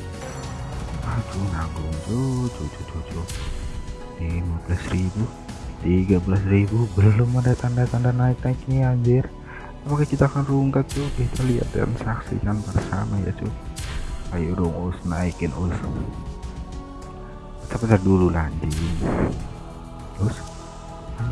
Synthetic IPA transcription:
at͡ʃunaɡʊŋt͡ʃud͡ʒɔd͡ʒɔd͡ʒɔd͡ʒɔ | imabəlasribu | t̪iɡabəlasribubəlʊmadat̪andat̪andanaik̚naikniaɲd͡ʒɪr | apakakit̪aːkanruŋkat̪̚t͡ʃubit̪alia̰t̪̚ɡa̰nsaksḭkanpərsa̰maja̰t͡ʃu | kajiudʊŋusnaikɪnʔus | t̪apit̪adululaɲd͡ʒɪn | ʊs | a

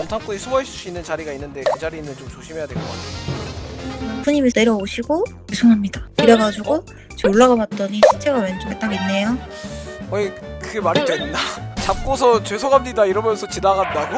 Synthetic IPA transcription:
mtʰaŋp͈uɲisʰumʌes͈ʰus͈uinːɯnt͡ɕaɾiɡainːɯnde̞kɯd͡ʑaɾinɯnt͡ɕomt͡ɕoɕʰime̞jadweɭk͈ʌk͈a̰tʰeo | apʰuɲimese̞ɾjʌoɕʰiɡot͡ɕesʰoŋɦamɲidakiɾjʌɡad͡ʑuɡo | t͡ɕeoɭːaɡabat̚t͈ʌɲiɕʰit͡ɕʰe̞ɡawent͡ɕoket͈aɡinːe̞jo | ʌikɯɡemaɾit͈ainːat͡ɕap̚k͈osʰʌt͡ɕwesʰoɡɦamɲidaiɾʌmjʌnsʰʌt͡ɕinaɡandaɡo

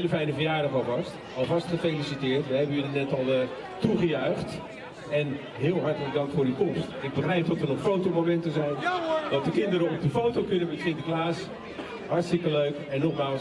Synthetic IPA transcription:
ləfɛjnəvəjaːɾəvɔvɑst | ɔlˠvɑstχəfejlisitɪːrtʋəɦɛbənjydənɛtɔlˠ | tuχəjœɥχt | ɛn | ɦɪːlˠɦɑɹtələɡ̚dɑŋktfʊːrykɔmstɪɡ̚bəχrɛjp̚dɔtʋənɔxfowtomomɛntəzɛjndɔtdəkɪndəɾəɔp̚dəfowtowkʏnəmɛtsɪndəklaːs | ɦaɹtstɪkəløɥkɛnːɔχmaːl

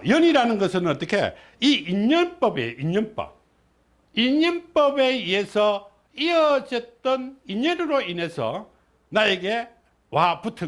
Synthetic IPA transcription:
jʌniɾanɯnɡʌsʰɯnʌt͈ʌkʰe̞̰ | iiɲʌnp͈ʌbḛiɲʌnp͈ʌ̰p̚ | iɲʌnp͈ʌbeiesʰʌ | iʌd͡ʑet͈ʌniɲʌnɯɾoine̞sʰʌ̰ | najeɡe̞ | waputʰɯ

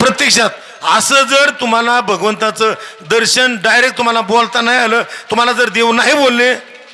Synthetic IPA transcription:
pɾət̪jəkʂat̪̚ | əsəːd͡zəɾt̪um̤alabʱəɡʋənt̪at͡səd̪əɾɕənɖajɾek̚t̪ːum̤alabolt̪anaɦijaləːt̪um̤alad͡zəɾd̪ewnaɦibolːe

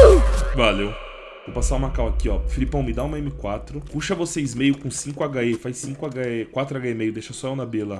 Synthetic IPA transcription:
valew | vowpasaũmakawakiɔfilipɐ̃w̃mɪd̪aũmɐẽmɪkwat̪ɾʊkuʃɐvosezmejʊkõsĩŋkʊaɡaɛfajsĩŋkʊaɡaɛkwat̪ɾʊaɡaɛmejʊd̪eʃɐsɔewnabela

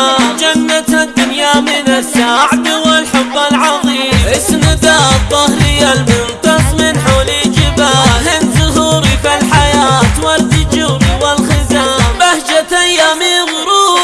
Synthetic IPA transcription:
d͡ʒanːat̪ad̪ːʊnjamɪnasːaːʕd̪wɪlħʊbːalʕɑɣiːmʔɪsmɪd̪aðˤːɑhɾɪjːalmʊnt̪ɑsˤmɪnħolid͡ʒɪbaːhɪnzʊɦuːɾifalħajaːt̪waɾt̪ɪd͡ʒʊɾiwalxɪzaːbahd͡ʒat̪ajamiɣʊɾuː

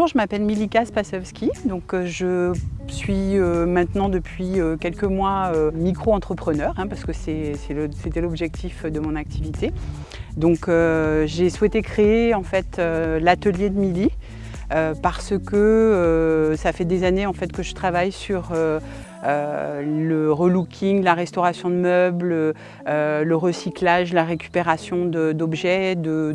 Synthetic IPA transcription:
uʒəmapɛlmilikaspasɛfskʲid̪ɔ̃køʒəsɥiømɛ̃t̪nɑ̃d̪əpʰɥiøkʲɛlkəmwaømikχoɑ̃t̪χəpχənœːʁɛ̃paʁsə̥kəsɛsɛlset̪ɛlɔbʒɛk̚t̪ʰifd̪əmɔ̃nak̚t̪ʰivit̪e | d̪ɔ̃køʒeswɛt̪ekχeːɑ̃fɛt̪ølat̪əljed̪əmili | øpaʁsəkəøsafɛd̪ezaneɑ̃fɛt̪kəʒət̪χavajsyʁø | øləʁəlukʲʰiŋlaʁɛst̪ɔʁasjɔ̃d̪əmœblø | øləʁəsiklaʒlaʁekʲy̥peʁasjɔ̃d̪əd̪ɔbʒɛd̪ə

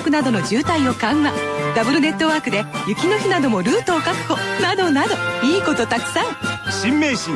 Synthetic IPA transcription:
kɯ̟nad̪o̞no̞d͡ʑɨːt̪aio̞kãɰ̃ːad̪abɯ̟ɾɯ̟ne̞t̪ːo̞βaːkɯd̪e̞jɯ̟kʲino̞çinad̪o̞mo̞ɾɯ̟ːt̪oːkakɯ̟̥ho̞nad̪o̞nad̪o̞iːko̞t̪o̞t̪akɯ̥sãŋɕĩmːeːɕĩ

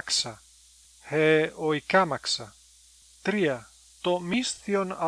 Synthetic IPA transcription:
ksɐ | heojkamaksɐ | t̪ɾiɐ | t̪omisθiona

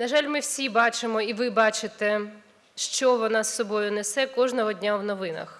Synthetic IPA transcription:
nɐʒɑlʲmɪwsʲibɑt͡ʃɪmɔiʋɪbɑt͡ʃɪt̪ɛ | ʃt͡ʃɔʋɔnɑsːɔbɔjʊnɛsɛkɔʒnɔɦɔdʲnʲawnɔʋɪnɐ̰x

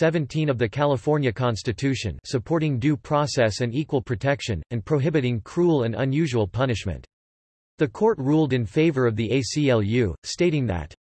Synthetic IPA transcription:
sɛvɨ̃ntʰĩnʌvðɨkʰælˠəfɔɹnjɨkʰɑ̃nstɨtʰʉʃɨ̰̃nsɨpʰɔɹɾɪ̃ŋdʉpʰɹ̥ɑsɛsɨ̃nikwəlˠpʰɹ̥ɨtʰɛkʃɨ̃nɨ̃npʰɹ̥oʊɦɪbɨɾɪ̃ŋkʰɹ̥ulˠɨ̃nə̰̃njʉʒəwəlˠpʰʌnɨʃmɨ̰̃nt̪ | ðɨkʰɔɹt̚ɹulˠdɨ̃nfeɪvə˞ʌvðiʔeɪsiɛlˠjʉsteɪɾɪ̃ŋðɨ̰t

